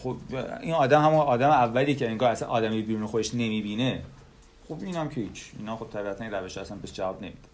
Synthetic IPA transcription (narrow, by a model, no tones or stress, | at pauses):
xobiːnɒːd̪æmhæmunɒːd̪æmeævːæliːecʰeeŋɡɒːhæsænʔɒːd̪æmijbiɾuːnexod̪eʃne̞miːbiːne | χobiːnæmcʰehiːt͡ʃʰiːnɒːxob̚t̪ʰæbiːæt̪ʰænk̪æɾbeʃæsænbesd͡ʒævɒːbne̞mid̪̥e̥